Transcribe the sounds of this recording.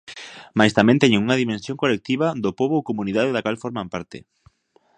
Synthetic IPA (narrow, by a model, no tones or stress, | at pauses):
majst̪amɛ̃nt̪ɛɲeŋuŋɐðimẽnsjoŋkolek̚t̪iβad̪ʊpoβoowkomuniðaðeðakalfoɾmampaɾt̪ɪ̰